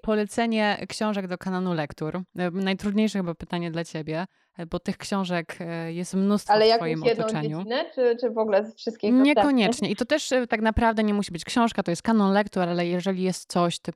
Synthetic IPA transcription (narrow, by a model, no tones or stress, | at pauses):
pɔlɛt̪sɛɲɛkɕɔ̃w̃ʐɛɡd̪ɔkananulɛkt̪uɾnajt̪ɾud̪ɲejʂɛxɘbapɘt̪aɲɛd̪lat͡ɕebʲjɛ | bɔt̪ɘxkɕɔ̃w̃ʐɛkjɛst̪mnust̪falɛjakfɔjjimɔjɛdt̪ɔɔt͡ʂɛeɲuinɛt͡ʂɘt͡ʂɘvɔɡlɛfʂɨst̪kʲiɲɲɛkɔɲɛt͡ʂɲɛʔit̪ɔt̪ɛʂt̪aknapɾavd̪ɛɲɛmuɕibɘt͡ɕkɕɔ̃w̃ʂkat̪ɔjɛst̪kanɔnlɛkt̪uɾalɛjɛʐɛlʲijɛst̪sɔɕt̪